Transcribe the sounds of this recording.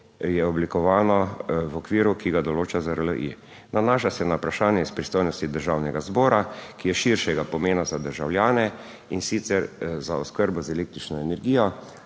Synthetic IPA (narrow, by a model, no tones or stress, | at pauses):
jɛɔblikɔʋaːnɔwɔkʋiːɾukiɡad̪ɔloːt͡ʃazaɾlə̰ʔḭ | nanaːʃasɛnaupɾaʃaːnjɛispɾist̪oːjnɔst̪id̪əɾʒawnɛɡazbɔːɾakijɛʃiɾʃɛɡapɔmeːnazad̪əɾʒawljaːnɛ | insit̪sɛɾzaɔskəɾbɔzɛleːk̚t̪ɾit͡ʃnɔɛnɛɾɡiːjɔ